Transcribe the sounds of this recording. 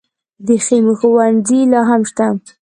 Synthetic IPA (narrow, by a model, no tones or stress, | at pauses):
d̪exemuxʊwanzilɑɦamʃt̪a